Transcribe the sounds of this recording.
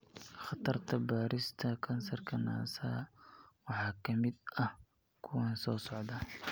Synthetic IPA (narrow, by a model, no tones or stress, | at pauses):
χɑt̪ʰɐrt̪ʰɐbaːɾɪst̪ʰɐkʰɐnsɐrkʰɐna̰ːsaːwɑħɑːkʰɐmɪd̪ɐh | kʰʊwɛnsɔːsɔʕd̪aːn